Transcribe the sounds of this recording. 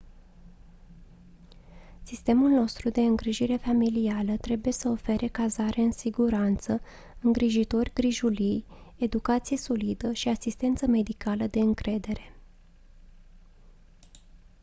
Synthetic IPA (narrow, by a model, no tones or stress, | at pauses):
sist̪e̞mulno̞st̪ɾud̪e̞ɨŋɡɾiʒiɾe̞familialət̪ɾe̞buje̞səo̞fe̞ɾʔe̞kazaɾeɨnsiɡuɾant̪sə | ɨŋɡɾiʒit̪o̞rʲɡɾiʒulije̞d̪ukat̪sije̞so̞lid̪əʃiasist̪e̞nt̪səme̞d̪ikaləd̪e̞ɨŋkɾe̞d̪e̞ɾe̞̥